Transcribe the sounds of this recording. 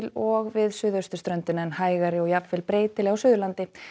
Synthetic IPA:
lɔɣvɪðsʏːðœɥst̪ʏ̥st̪ɾœnt̪ɪnaɛnhaːjɣaɾɪɔɣjapfɛlpɾeːjt̪ɪlɛɣawsʏːðʏlant̪ɪ

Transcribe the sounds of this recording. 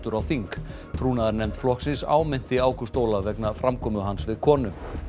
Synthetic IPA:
t̪ʏɾawθiŋk | t̪ʰɾuːnaðaɾnɛmt̪flɔhksɪnsa̰ːwmɪn̥t̪ɪaːwkʏst̪oːwlavɛknafɾamkʰɔːmʏɦansvɪðkʰɔːnʏm

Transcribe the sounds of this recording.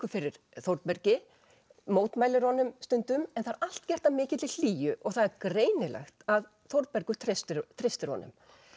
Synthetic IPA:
kʏfɪɾɪɾ̥ | θowɾt̪̚pɛɾcɪ | moːwt̪maːjlɪɾhɔnʏmst̪ʏnt̪ʏmɛnθaɾal̥t̪cɛr̥t̪amɪːcɪt̪ʰɪl̥l̥iːjʏʔɔɣθaðɛɾkɾeːjnɪla̰xt̪að | θowɾt̪̚mɛɾkʏt̪ʰɾest̪ɪt̪ʰɾejst̪ɪɾhɔ̰nʏ̰m

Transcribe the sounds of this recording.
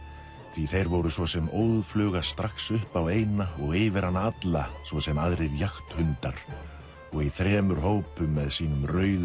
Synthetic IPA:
θviθejɾvɔwɾʏsvɔsɛmoːwðflœːɣast̪ɾaxsʏhpaveːjnaɔɣɪːvɪɾhanːaat̪lasvɔsɛmaðɾejɾjaxt̪hʏnt̪aɾ̥ | ɔɣiθɾɛːmʏɾ̥ɦoːwpʏmːɛðsiːnʏmrœːɥð

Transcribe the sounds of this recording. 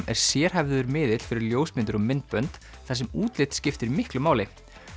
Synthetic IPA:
mɛ̰ɾ̥sjɛːɾ̥ɦɛvðʏðʏɾmɪːðɪt̪l̥fɪɾɪɾljoːwsmɪnt̪ʏɾɔmɪnt̪̚pœnt̪ | θas̬ɛmuːt̪lɪt̪scɪft̪ɪɾimɪhklʏmaːwlɪ

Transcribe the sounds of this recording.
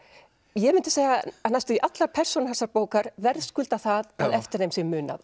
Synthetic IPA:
jɛmɪnt̪ɪseːjɣaanajst̪ʏiʔat̪laɾpʰɛr̥sɔnahɛnsːaɾpoːwkaɾvɛɾðskʏlt̪aθaðaðɛft̪ɪɾnejmsjɛmʏːna̰ð

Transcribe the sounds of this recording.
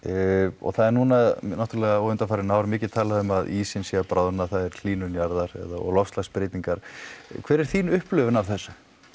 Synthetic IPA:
ɔ̰ɣθaðɛɾnuːnanaht̪ɾlɛɣaowʏnt̪afaːɾɪnaːwɾmɪːcɪt̪ʰaːlaðʏmaðiːsɪnsiapɾʔawðnaθaðɛɾl̥iːnʏnjaɾðaɾɛ̰ða̰ɔ̰ɣlɔfst̪laspɾɪːt̪niŋkaɾ̥kʰv̥ɛːɾɛɾ̥θiːnʏhplʏvʏnavθɛsːa

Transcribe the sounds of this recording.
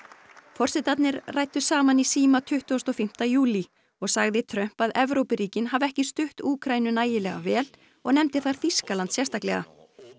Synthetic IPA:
fɔr̥sɪt̪at̪nɪɾraːjt̪ʏsaːmanisiːmat̪ʰʏht̪ust̪ɔfɪm̥t̪ajuːli | ɔɣsaɣðɪt̪ʰɾœm̥paðɛvɾowpɪɾiːcɪnɦavɛhcɪst̪ʏht̪uːkʰɾajnʏnaːjɪlɛɣa̰vɛːl | ɔɣn̪ɛmt̪ɪθaɾ̥θiskalant̪sjɛst̪ahklɛ̰ɣa̰

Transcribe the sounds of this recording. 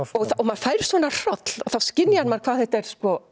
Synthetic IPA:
ɔɣθaɔmað̥faːjɾɪ̥svɔːnar̥ɔt̪l̥ɔ̰θawscɪnːjanmaɾ̥kʰvaːðθɛht̪ɛɾ̥skɔ

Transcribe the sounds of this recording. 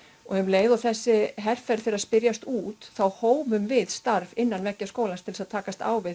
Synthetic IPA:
ɔɣɛmleːjðawθɛsːɪɦɛr̥fɛɾθeːɾaspɪɾjast̪uːt̪θawhoːwmʏmvɪðst̪aɾvɪnːanvɛcːaskoːwlanst̪ʰɪlsaðt̪ʰaːkast̪a̰ːwvɪð

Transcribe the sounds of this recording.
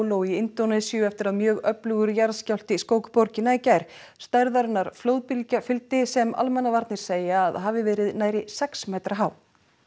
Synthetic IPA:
lowiɪnt̪onɛsiʏɛft̪ɪɾaðmjœːɣœplʏɣʏɾjaɾscawl̥t̪ɪskoːwkpɔɾcɪnaicajɾ̥ | st̪aɾðaɾnːaɾ̥floːwðpɪlcafɪlt̪ɪsɛma̰lmɛnːavaɾt̪nɪɾ̥seːjaːðɦaːvɪvɛːɾɪðnaːjɾɪsɛksmeːjt̪ɾaɦaːw

